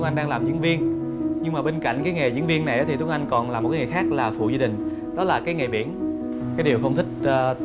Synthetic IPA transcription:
ŋʔa˧ŋ̟ɗaː˧ŋlaː˨˩mzḭ˧ənvi˧ən | ɲɨ˧ŋmaː˨˩ɓe˧nka̰˧˨jŋ̟kaː˨˦jŋe˨˩zḭ˧˥ənvi˧ənːa˨˩jʔaː˨˦t̪i˨t̪u˨˦ŋʔjŋ̟kɔ˨˩nlaː˨˩mo˨˩kːa˨˦ŋa˨˩xaː˦˥k̚laː˨˩fṵ˧˨zaː˧ï˨˩ŋ̟ | ɗɔ˨˦laː˨˩kaː˨˦jŋa˨˩ɓḭ˧˩ən | kaː˨˦jɗi˨˩əwxə˧wŋ͡mt̪ʰï˦˥k̟̚ː

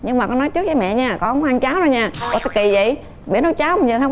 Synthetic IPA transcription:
ɲɨ˧ŋmaː˨˩kɔ˨˦nɔ˨˦jt͡ɕɨ˦˥k̚t͡ɕaː˨˦jmɛ̰˧˨ɲaː˧˩kɔ˧˦ʔhaː˧ŋt͡ɕaː˨˦wzo˧ɲaː˧˩kɔ˨˧˦sɛ̰˧˥ki˨˩zə̰˧˨j | ɓi˨˩ənɔ˨˧˦jt͡ɕaː˨˦wm˨˩ɲə˨˩t̪ʰː

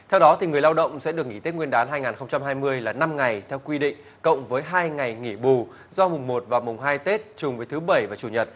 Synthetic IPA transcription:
t̪ʰɛ˧wɗɔ˨˦t̪i˨˩ŋɨ˨˩əjlaː˧wɗə̰˧˨wŋ͡msɛ̰˧˥ɗɨ˨˩əkŋi˧˩t̪i˦˥t̚ŋwi˧ənɗaː˨˦nɦaː˧jŋaː˨˩nxə˧ŋ͡mt͡ɕa˧mɦaː˧jmɨ˧əjlaː˨˩na˧mŋa˨˩jt̪ʰɛ˧wkwi˧ɗḭ̈˧˨ŋ̟ | kə̰˧˨wŋ͡mvəː˨˦jɦaː˧jŋa˨˩jŋi˧˩ɓu˨˩ | zɔ˧mʊ˨˩ŋ͡mmo˨˩t̚vaː˨˩wmʊ˨˩ŋ͡mɦaː˧jt̪e˦˥t̚t͡ɕʊ˨˩ŋ͡mvəː˨˦jt̪ʰːɓə˧˩jvaː˨˩t͡ɕu˧˩ɲə˨˩t̚

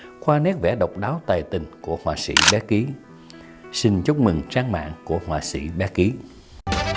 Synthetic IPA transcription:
xwaː˧nɛ˦˥k̚vɛ̰˧˩ɗə˨˩wk͡p̚ɗaː˨˦wt̪aː˨˩jt̪ï˨˩ŋ̟ku˧˩əhwaː˨˩sḭ˧˩ɓɛ˨˦ki˨˦ | sï˧˩ŋt͡ɕʊ˦˥k͡p̚mɨ˨˩ŋt͡ɕaː˧ŋma̰ː˧˨ŋku˧˩əhwaː˨˩sḭ˧˩ɓɛ˨˦˥ki˨˦

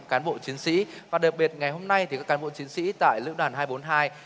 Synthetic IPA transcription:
kaː˨˦nɓo̰˧˨t͡ɕi˨˦ənsḭ˧˥vaː˨˩ɗa˨˩p̚ɓi˨˩ət̚ŋa˨˩jho˧mna˧jt̪ʰi˨kaː˦˥kːaː˨˦ɓo̰˧˨t͡ɕi˨˦ənsḭ˧˥t̪a̰ː˧˨jlɨ̰˧˥wɗwaː˨˩nɦaː˧jɓo˨˦nɦaː˧j

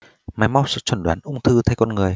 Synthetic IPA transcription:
ma˨˦jma˧wsɨ̰˧˥t͡ɕwə˧˩nɗwaː˨˦nʔʊ˧ŋ͡mt̪ʰɨ˧t̪ʰa˧jkɔ˧nŋɨ˨˩əj

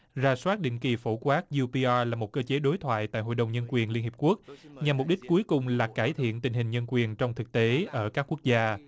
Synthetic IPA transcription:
zaː˧˩swaː˦˥t̚ɗḭ˧˨ŋ̟ki˨˩fo˧˩kwaː˦˥k̚zu˧pi˧ʔaː˧laː˨˩mo˨˩t̚kəː˧t͡ɕe˨˦ɗo˨˦jt̪ʰwa̰ː˧˨jt̪a̰ː˧˨jɦo̰˧˨jɗə˨˩wŋ͡mɲə˧nkwi˨˩ənli˧ənhi˨˩p̚ku˦˥ək̚ɲa˨˩mː˨˩k͡p̚ɗï˦˥k̟̚ku˨˦əjkʊ˨˩ŋ͡mlaː˨˩kaː˧˩jt̪ʰḭ˧˨ənt̪ï˨˩ŋ̟ɦï˨˩ŋ̟ɲə˧nkwi˨˩ənt͡ɕɔ˧wŋ͡mt̪ʰɨ˨˩k̚t̪e˨˦ʔəː˧˩kaː˦˥kːu˦˥ək̚zaː˧

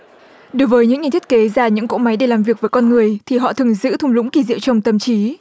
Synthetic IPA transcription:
ɗo˨˦jvəː˨˦jɲɨ̰˧˥ŋːɲ˨˩t̪ʰi˦˥t̚ke˨˦zaː˧˩ɲɨ̰˧˥ŋko̰˧˥ma˨˦jɗe˧˩laː˨˩mvi˨˩ək̚vəː˨˦kɔ˧nŋɨ˨˩əjt̪ʰi˨˩ɦɔ̰˧˨t̪ʰɨ˨˩əŋzɨ̰˧˥t̪ʰʊ˧ŋ͡mlʊ̰˧˥ŋ͡mki˧˩zḭ˧˨əwt͡ɕə˧wŋ͡mt̪ə˨˩mt͡ɕi˨˦

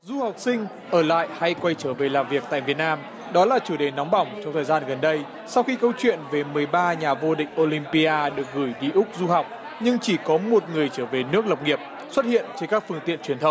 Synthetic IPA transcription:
zu˧ha˨˩wk͡p̚sï˧ŋ̟ | ʔəː˧˩la̰ː˧˨jha˧jkwa˧jt͡ɕəː˧˩ve˨˩laː˨˩mvi˨˩ək̚t̪a̰ː˧˨jvi˨˩ət̚naː˧m | ɗɔ˨˦laː˨˩t͡ɕu˧˩ɗe˨˩nːɔ˨˦wŋ͡mɓa˧˩wŋ͡mt͡ɕɔ˧ŋ͡mt̪ʰəː˨˩jzaː˧nɣə˨˩nɗə˧j | sa˧wxi˧kə˧wt͡ɕwḭ˧˨ənve˨˩mɨ˨˩əjɓaː˧ɲaː˨˩vo˧ɗḭ̈˧˨ŋ̟ʔo˧li˧mpi˧ʔaː˧ɗɨ˨˩ək̚ɣɨː˧˩jɗi˧ʔʊ˦˥k͡p̚zu˧ɦa˨˩wk͡p̚ | ɲɨ˧ŋt͡ɕi˧˩kɔ˨˦mo˨˩t̚ŋɨ˨˩əjt͡ɕəː˧˩ve˨˩nɨ˦˥ək̚lə˨˩wk͡p̚ŋi˨˩əp̚ | swə˦˥t̚hḭ˧˨ənt͡ɕe˧nkaː˦˥k̚fɨ˧əŋt̪ḭ˧˨ənt͡ɕwi˨˩ət̪ʰə˨˦ŋ͡m

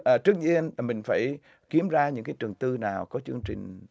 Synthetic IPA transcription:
ʔːt͡ɕɨ˦˥ək̚ɲi˧ənlaː˨˩mï˨˩ŋ̟faː˧˩j | ki˨˦əmzaː˧ɲɨ̰˧˥ŋkaː˨˦jt͡ɕɨ˨˩əŋt̪ɨ˧naː˨˩wkɔ˨˦t͡ɕɨ˧əŋt͡ɕï˨˩ŋ̟

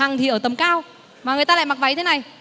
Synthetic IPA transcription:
a˨˩ŋt̪ʰi˨˩ʔəː˧˩t̪ə˨˩mkaː˧w | maː˨˩ŋ˨əjt̪aː˧l̰aː˧˨jma˨˩k̚va˨˩jɲ˧t̪ʰe˨˧˦na˨˩j

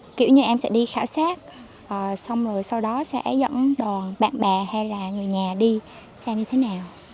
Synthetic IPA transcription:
kḭ˧˩˨wɲɨ˧ʔɛ˧msɛ̰˧˥ɗi˧xa̰ː˧˩wsaː˦˥t̚ | ʔəː˨˩sa˧wŋ͡mzo˨˩jsa˧wɗɔ˨˦sɛ̰˧˥ʔɛ˧˦zə̰˧˥nɗwaː˨˩nɓa̰ː˧˨nɓɛː˨˩ha˧jlaː˨˩ŋɨ˨˩əjɲaː˨˩ɗi˧ | saː˧mɲɨ˧t̪ʰe˨˦naː˨˩w

